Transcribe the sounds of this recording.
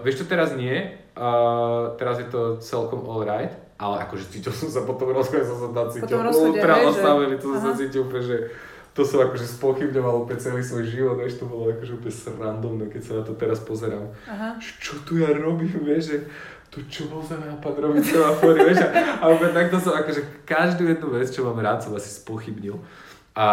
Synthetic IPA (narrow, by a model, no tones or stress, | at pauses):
ʋɪɛʃt͡ʃɔt̪ɛɾazɲɪɛ | t̪ɛɾazjɛt̪ɔt͡sɛlkɔmɔlɾajt̪ | ʔalɛʔa̰kɔʒɛt͡siːcilˠsɔmsapɔt̪ɔmɾɔzɔɛs̬ɔs̬at̪at͡siːcilut̪ɾalast̪aʋɛlit̪ɔsasat͡siːcilpɛʒɛ | t̪ɔsɔmakɔʒɛspɔxibɲɔʋalupɛt͡sɛliːsʋɔjʒiʋɔd̪ʋɛʃt̪ɔbɔlɔakɔʒɛupɛsɾand̪ɔmnɛkɛcsanat̪ɔt̪ɛɾaspɔzɛɾam | ʒ̥ɛ̥t͡ʃɔt̪ujaɾɔbiːmʋɛʒʒɛ | t̪ut͡ʃɔbɔlsamapad̪ɾɔʋit͡sɛʋafɔɾiʋjɛʃaaupɛt̪ak̚t̪ɔsɔmakɔʒɛkaʒd̪ujɛd̪nuʋɛt͡st͡ʃɔmaːmɾaːt̪sɔmasi̥spɔxibɲil | a